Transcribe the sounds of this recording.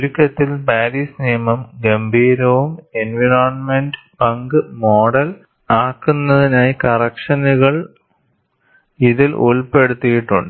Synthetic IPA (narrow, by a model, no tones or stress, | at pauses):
lukːɐt̪ːilbaːɾiːsnijɐmɐmɡembʱiːɾɐʋumenʋiɾaːnmenɖɨbɐŋɡɨmoːɽɐl | aːkːunːɐðinaːjikɐrɐkʂɐnuɣɐɭ | iðilʔuɭpe̞ɽut̪ːijiʈːuɳɖɨ